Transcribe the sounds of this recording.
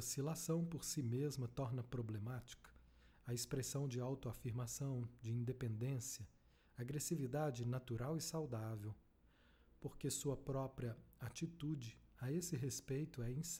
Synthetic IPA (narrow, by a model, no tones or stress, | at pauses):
osilasɐ̃w̃poɾsimezmɐt̪ɔɾnɐpɾoblemat͡ʃi̥kɐ̥ | ɐespɾesɐ̃w̃d͡ʒɪawt̪ʊafiɾmasɐ̃w̃d͡ʒɪĩd̪epẽnd̪ẽsiɐ | aɡɾesivid̪ad͡ʒɪnat̪uɾawɪsawd̪avew | poɾkesuɐpɾɔpɾiɐat͡ʃit̪ud͡ʒɪaesɪɦespejt̪ʊɛĩs